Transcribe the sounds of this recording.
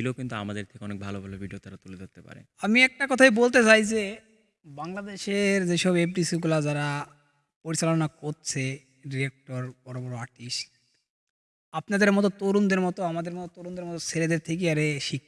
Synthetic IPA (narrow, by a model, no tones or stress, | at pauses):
ilokint̪ua̰mad̪eɾt̪ʰekeɔnek̚bʱalobʱalobʱiɖiot̪aɾat̪uledat̪ːepa̰ɾḛamiɛk̚ʈakɔt̪ʰajbolt̪et͡ɕajd͡ʑe | baŋlad̪eʃeɾd͡ʑeʃɔbeb̚ɖisiɡulad͡ʑaɾa | poɾit͡ɕalonakoɾt͡ɕʰe | ɖiek̚ʈoɾb̥ɔɾobɔɾoaɾʈiʃʈ̚ | apnad̪eɾmɔt̪ot̪oɾund̪eɾmɔt̪oamad̪eɾmɔt̪ot̪oɾund̪eɾmɔt̪oseled̪eɾt̪ʰek̬eaɾeʃikʰː